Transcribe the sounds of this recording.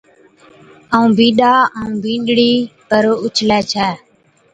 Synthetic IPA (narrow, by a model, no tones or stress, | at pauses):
əũːbĩːɗaːəũːbĩːɖɽiːpəɾoːʊt͡ʃʰlɛːt͡ʃʰɛː